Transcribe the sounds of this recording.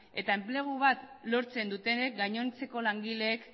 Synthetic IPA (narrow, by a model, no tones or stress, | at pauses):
e̞t̪ae̞mple̞ɣ̞uβat̪lo̞ɾt͡se̞nd̪ut̪e̞ne̞k̚ɡaɲo̞nt͡se̞ko̞laŋɡile̞ːk